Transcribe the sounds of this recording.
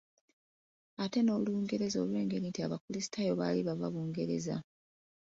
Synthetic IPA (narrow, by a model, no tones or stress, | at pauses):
ate̞no̞ːβuluːŋɡe̞ɾe̞zo̞̰ːlwe̞ːŋɡe̞lintiaβakulisi̥tʰajo̞βa̰ːliβaβa̰βuːŋɡe̞ɾe̞̰za̰